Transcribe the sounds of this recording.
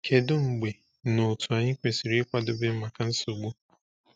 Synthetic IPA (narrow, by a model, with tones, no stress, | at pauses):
kʰe˨dʊ˦ŋ͡m̩˨ɡ͡be˨ | no˨tu˨a˨ɲɪ˦kʷe˨si˨ɾi˦kʷa˦dʊ˦bɪ˦m̩˦ma˨ka˨n̩˦so˨ɡ͡bu˦